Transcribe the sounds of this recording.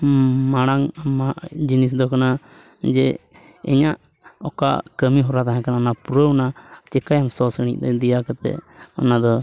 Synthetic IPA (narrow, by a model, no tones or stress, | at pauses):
maɽ̃aŋamaʔd͡ʒinis̬d̪ɔkana | d͡ʒɛ | ɛ̰ɲaʔ | ɔka̰ʔkəmiɦɔɾat̪aɦãkanaɔnapuɾəunat͡ʃɛkajamsɔsəɽ̃ḭʔ̚t̪ɛd̪ijakaɾt̪ɛ̰ɔnad̪ɔ